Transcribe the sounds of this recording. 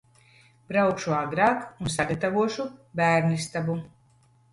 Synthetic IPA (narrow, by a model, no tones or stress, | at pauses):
b̥ɾawkʃuaɡɾaːkunsaɡat̪avuɔʃubæːɾnist̪abu